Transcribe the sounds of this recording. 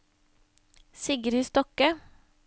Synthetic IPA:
sɪɡəɾiːst̪ɔkə

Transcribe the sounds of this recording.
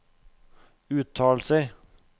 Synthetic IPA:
ʉːt̪ʰɑːl̩səɾ

